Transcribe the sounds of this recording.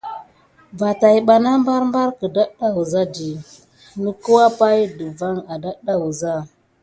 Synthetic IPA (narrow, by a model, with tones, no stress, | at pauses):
va˨ta˨jɓa˨na˦mba˦ɾmba˦ɾkə˨da˦ɗa˦wu˨za˦di˨ | nə˦ku˦wa˦pa˦jdə˨va˦ŋa˨da˦ɗa˦wu˨za˦˨